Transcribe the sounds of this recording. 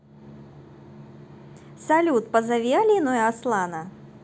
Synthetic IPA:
salʲut̪̚pɐzɐvʲialʲinɔjaslˠanɐ

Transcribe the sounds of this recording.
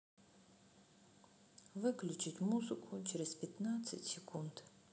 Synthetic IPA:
vɨklʲut͡ʃʰɪtʲmuzɨkʷʰut͡ʃʰɛɾʲɪzpʲɛt̪nat̪sɨ̰tʲsʲɪkʰund

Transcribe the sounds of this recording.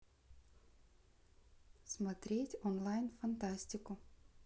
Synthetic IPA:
smɐt̪ʲɾʲeːt̪ʲɔnlˠajnfɐnt̪asʲt̪ʲɪkʊ

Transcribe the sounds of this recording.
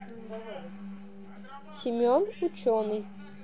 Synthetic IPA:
sʲɪmʲonut͡ɕonɨj

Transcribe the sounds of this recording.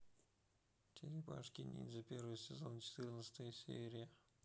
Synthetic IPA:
tʲʰɪɾʲɪpa̰ʂkʲɪnʲḭd̪zɐpʲeɾvɨjəsʲɪzo̞nt͡ɕɪ̥t̪ɨrnət̪sə̥t̪əjəsʲḛɾʲɪjə

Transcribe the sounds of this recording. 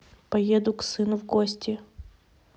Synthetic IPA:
pɐjed̪ʊksɨnʊvɡosʲtʲɪ

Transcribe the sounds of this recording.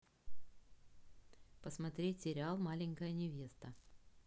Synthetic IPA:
pəsmɐt̪ɾʲetʲsʲɪɾʲɪalˠmalʲɪŋʲkəjənʲɪvʲe̞st̪ə

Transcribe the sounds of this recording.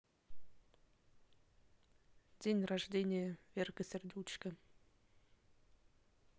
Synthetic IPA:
dʲenʲraʐdʲenʲɪjəvʲerkəsʲerʲdʲut͡ɕkə

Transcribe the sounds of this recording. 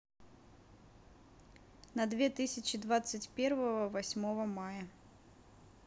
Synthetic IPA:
nɐd̪vʲet̪ɨsʲɪt͡ɕɪd̪vat̪sɨtʲpʲervəvəvɐsʲmo̞vəmajə

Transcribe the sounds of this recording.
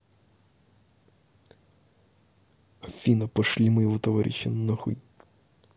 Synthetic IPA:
ɐfʲinɐpɐʂlʲimɨjɪvɔt̪ɐvaɾʲʔɪ̰ɕːɪ̰nɐxɨ̰j

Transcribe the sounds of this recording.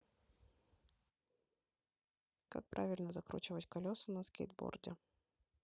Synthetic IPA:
ka̰k̚pɾʔavʲɪlʲnəzɐkɾṵt͡ɕɪvətʲkɐlʲosɨnɐskʲḛd̪̚bo̰rdʲɪ̰

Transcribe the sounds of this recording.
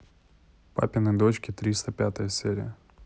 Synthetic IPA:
pa̰pʲɪnɨd̪ot͡ɕkʲɪt̪ɾʲist̪əpʲat̪əjəsʲeɾʲɪ̰jə

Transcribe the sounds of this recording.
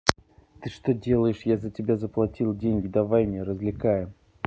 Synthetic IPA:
t̪ɨʂt̪odʲe̞lˠəjɪʂjazətʲɪbʲazəplˠɐtʲilˠdʲenʲɡʲɪd̪avajmʲnʲeɾəzʲlʲɪkajɪm

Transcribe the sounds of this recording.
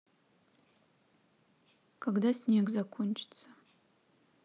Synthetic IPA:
kʰaɡdasnʲeɡzakʷʰʊnt͡ʃʰʼt͡sʰa

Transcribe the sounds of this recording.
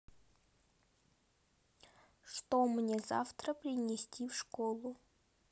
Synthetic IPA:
ʂt̪omnʲeza̰ft̪ɾəpɾʲɪnʲesʲtʲifʂkolˠʊ

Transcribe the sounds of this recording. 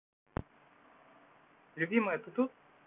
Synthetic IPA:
lʲʊbʲiməjɛt̪ɨt̪ut̪̚

